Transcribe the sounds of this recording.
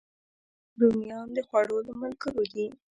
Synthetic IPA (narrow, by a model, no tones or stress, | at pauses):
d̪unjɑnd̪əxwaɽoləmalɡəɾod̪i